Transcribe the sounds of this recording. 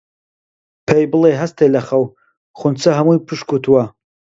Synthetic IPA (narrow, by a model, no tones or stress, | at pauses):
pʰejbɨleɦɐst̪ʰelɐχɐw | χʊnt͡sʰɐɦɐmujpʰɨʃkʰut̪ʰwɐ